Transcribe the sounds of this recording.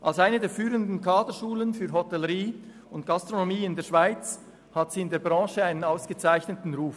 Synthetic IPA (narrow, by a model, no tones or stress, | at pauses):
ʔalsaɪnədeːfyːɾəndn̩kʰɑːdəʃuːlənfyːɾɦotɛləʁiː | ʊnt̚ɡ̥ɑstʁonomiːɪndeːɐʃv̥aɪt͡s | hatsiːɪndeːɐbʁɑ̃ːʃəaɪnənaʊsɡ̥ət͡saɪçnətn̩ʁuːf